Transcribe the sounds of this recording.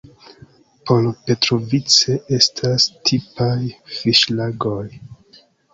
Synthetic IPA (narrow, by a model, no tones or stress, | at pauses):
polpe̞tɾovit͡se̞ʔe̞stʰastʰipajfiʃlaɡoj